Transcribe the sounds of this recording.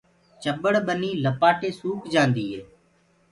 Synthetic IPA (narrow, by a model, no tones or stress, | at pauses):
t͡ʃəbəɽɓəniːləpaːʈʰeːsuːkd͡ʒãːnd̪iːɦeː